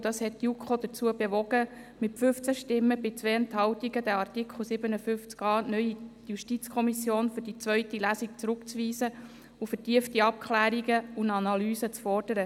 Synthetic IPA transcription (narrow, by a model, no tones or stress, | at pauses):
d̥ɑshɛttːjukχod̥̪ət͡suːəbeʋɔɡə | mɪtfʏft͡sæʃtɪmːəbɪt͡sʋeːəntɦɑwtiɡəd̪ɛɑɾtikχl̩sɪbənəfʏft͡skɑːnœʏi | juʃtit͡skʰɔmisjoːnfʏd̥it͡sʋœɥtilæːsik̚t͡sɾʊkt͡sʋiːsə | ufətiəftiɑp̚kʰχlæːɾiɡəunɑnɑlyːsət͡sfɔrd̥əɾə